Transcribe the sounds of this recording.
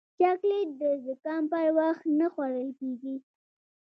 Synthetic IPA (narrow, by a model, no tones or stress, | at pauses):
t͡ʃakled̪əzʊkɑmpajwaxt̪naxwaɾəlkeɡi